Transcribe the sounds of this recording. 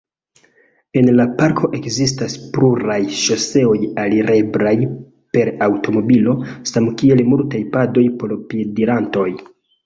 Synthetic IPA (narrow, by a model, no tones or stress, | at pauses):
e̞nlapaɾkʰo̞ʔe̞kzistaspluɾajʃose̞o̞jaliɾe̞bɾaj | pe̞ɾawto̞mo̞bilo̞samkie̞lmultajpado̞jpo̞ɾpiediɾanto̞j